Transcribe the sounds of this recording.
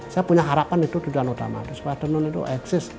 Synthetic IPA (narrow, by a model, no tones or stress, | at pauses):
sajapuɲaɦaɾapanit̪ud̪ud̪uanut̪a̰ma̰t̪ʊspajat̪ənʊnit̪ṵʔɛɡsɪs